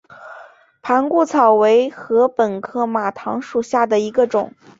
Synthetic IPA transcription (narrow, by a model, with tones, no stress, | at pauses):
pʰa˧˥nku˥˩t͡sʰɑ˨˩ʊwe˧˥ɪxɤ˧˥pə˨˩nkʰɤ˥˩ma˨˩t̪ʰɑ˧˥ŋʂu˨˩ɕja˥˩d̪ə˩i˧˥ɡə˧ʈ͡ʂʊ˨˩˦ŋ